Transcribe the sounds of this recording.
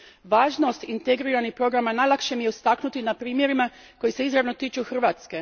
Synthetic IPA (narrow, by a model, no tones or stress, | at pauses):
ʋaːʒno̞st̪int̪eɡɾiɾanixpɾo̞ɡɾamanajlˠakʃemijeust̪aknut̪inapɾiːmje̞ɾima | ko̞jise̞izɾaʋno̞t̪iːt͡ʃuxr̩ʋat̪ske̞